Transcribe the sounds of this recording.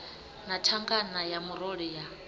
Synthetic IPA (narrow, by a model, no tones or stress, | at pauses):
natʰaŋɡanajamuɾɔɺija